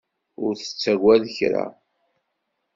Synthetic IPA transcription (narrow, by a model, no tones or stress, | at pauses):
ʊɾθə̥t͡sːæɡʷæðəçɾa̰